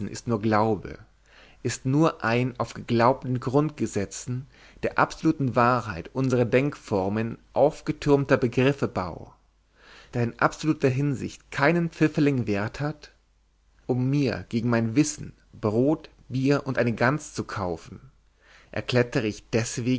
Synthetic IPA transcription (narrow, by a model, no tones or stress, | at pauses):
n̩ʔɪ̰stnuːɐɡlaʊbə̰ | ʔɪstnuːɐʔaɪnaʊfɡ̥əɡlaʊp̚tn̩ɡʁʊnt̚ɡ̥əzɛt͡sn̩ | d̥eːɐʔa̰pz̥oluːtn̩vaːɦaɪtʔʊnzəʁɐdɛŋkfɔʁmənʔaʊfɡ̥ətʰʏɐmtɐbəɡʁɪfəba̰ʊ | d̥aːɪnʔa̰pz̥oluːtɐɦɪnzɪ̰çtkʰaɪnənpp͡fɪfəlɪŋveːɐthat | ʔʊmːiːɐɡ̥eːɡŋ̩maɪnvɪsn̩ | b̥ʁoːt | b̥iːɐʔʊntʔaɪnəɡant͡st͡sukʰaʊfn̩ | ʔɛ̰ɐkl̥ɛtəʁəɪçd̥ɛsv̥eːɡ